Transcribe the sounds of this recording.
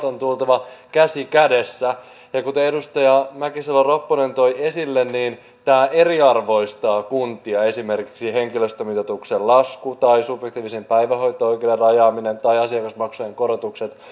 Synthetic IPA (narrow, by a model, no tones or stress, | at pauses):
t̪ont̪ult̪ɑʋɑkæsikæde̞sːæ | jɑkut̪eedust̪ɑjɑmækiselːɑropːone̞nt̪o̞ie̞silːenːiːn | t̪æːʔe̞riɑrʋo̞ist̪ɑːkunt̪iɑe̞sime̞rki̥ksiɦe̞ŋkiløst̪ømit̪ot̪uksellɑskut̪ɑisubjek̚t̪iːʋisempæjʋæho̞jt̪ːˑooikederɑjɑːminent̪ɑiɑsiɑkɑsmɑksujeŋko̞ɾot̪ukse̞t̪